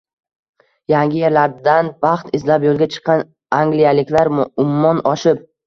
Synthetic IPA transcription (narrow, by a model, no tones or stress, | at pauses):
jaŋɡʲɪjeɾlaɾd̪anbɑχt̪ɪzlapjolˠɡʲat͡ʃʰɨ̥qʰːɑn | aŋɡlijalɪkʲlaɾʊmːɒnɒʃɪp̚